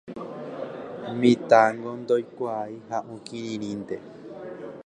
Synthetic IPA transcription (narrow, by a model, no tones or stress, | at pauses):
mĩt̪aŋɡond̪ojkʷaihãʔũkĩɾĩɾĩnd̪e